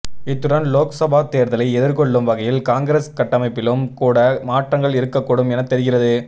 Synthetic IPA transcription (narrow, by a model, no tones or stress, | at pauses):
ɪt̪ːɯɽɐnloːksɐbaːt̪eːɾðɐlɐɪɛðɪɾkɔɭːɯmʋɐɣɐjɪlkaːŋɡɾeːskɐʈːɐmɐɪpːɪlɯmkuːɽɐmaːʈrɐŋɡɐɭɪɾɯkːɐkːoɽɯmɛnɐt̪ːɛɾɪɣɪrɐðɯ